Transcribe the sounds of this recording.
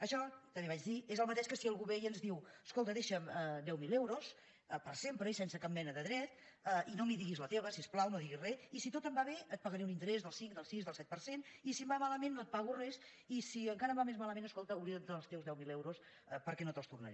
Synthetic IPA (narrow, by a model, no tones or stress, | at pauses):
əʃɔt̪əmeβad͡ʒðiezəlˠmət̪eʃkəsiəlˠɣuβejənzðiwəskolˠt̪əðeʃəəd̪ɛwmilewɾos | pəɾsempɾəisɛnsəkap̚mɛnəðəðɾɛt̪̚ | əʔinomiðiɣizlət̪eβəsiɛsplawnoðiɣirɛisit̪ot̪əmbaβeət̪̚pəɣəɾeunint̪əɾezðəlˠsiŋkd̪əlˠsizðəlˠsɛt̪̚pəɾsenisimbamaləmenːot̪̚paɣurɛs | isiəŋkaɾəmbamezmaləmẽnəskolˠt̪əːwɾiəd̪əlˠst̪ewzðɛwmilewɾos | pəɾkɛnot̪əlˠst̪urnə̰ɾe